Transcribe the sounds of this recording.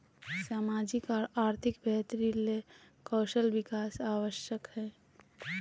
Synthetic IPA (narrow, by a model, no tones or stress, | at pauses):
saːmaːd͡ʒɪkaɾaːɾt̪ʰɪkbɛt̪ɾile | kɔːʃəlʋɪkaːsaːwəʃjəkɦɛː